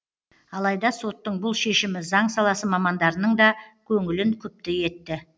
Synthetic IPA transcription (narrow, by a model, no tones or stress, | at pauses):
ɑlˠɑjd̪ɑso̞t̪ːəɴbʊlˠʃe̞ʃɪmɪzɑɴsɑlˠɑsəmɑmɑnd̪ɑɾənəɴd̪ɑkʲʰɵŋɪlɪŋkʲʰʏp̚t̪ɪje̞t̪ːɪ